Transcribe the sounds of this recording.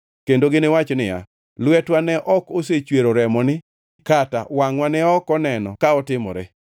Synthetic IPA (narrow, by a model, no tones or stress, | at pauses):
kendoɡɪnɪwat͡ʃnɪja̰ | lwɛtwanɛʔɔkos̬et͡ʃweɾoɾɛmɔnɪ | kata̰waŋwanɛɔkɔnɛnɔ̰kaɔtɪmɔ̰ɾɛ̰